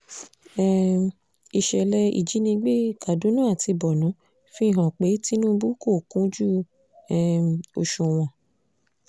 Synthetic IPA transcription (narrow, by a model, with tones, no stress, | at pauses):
ɛ˦ | i˧ʃɛ˧˨lɛ˧ḭ˨d͡ʒi˨˦nĩ˧ɡ͡be˦ka˨do˨˦nãː˦˨ti˧bɔ˨nũ˨˦ | fi˦˨ɦã˨k͡pe˨˦ti˦nũ˦bu˦ko˦˨kũ˦d͡ʒu˦ | ɛ˦o̰˧ʃũ˨w̃ɔ̃˨